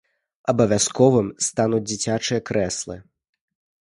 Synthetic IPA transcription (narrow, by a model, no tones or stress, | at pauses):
ɐbɐvʲaskɔvɨmst̪anud͡zʲd͡zʲit͡sʲat͡ʂɨjɐkɾɛslˠɨ̰